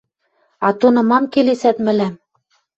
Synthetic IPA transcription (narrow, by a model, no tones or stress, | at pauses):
ɑt̪onɤ̆mɑmkelesæt̪mɘ̆læm